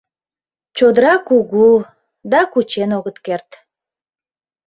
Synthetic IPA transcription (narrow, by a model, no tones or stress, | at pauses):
t͡ɕod̪əɾɑkuɣu | d̪ɑkut͡ɕenoɣət̪kert̪